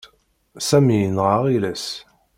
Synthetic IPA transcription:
sæmiənʁəʁilæs

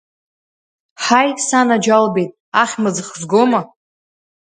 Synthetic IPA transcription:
ħajsanad͡ʒalbejtʼ | aχʲmɨd͡zɨχzɡoma

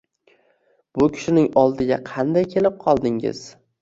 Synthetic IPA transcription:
b̥ʊkʲʰɪ̥ʃɪnɪŋɒlˠd̪ɪɡʲaqʰɑnd̪ajkʲʰe̞lɪp̚qʰɒlˠd̪ɪŋɪ̰z̥

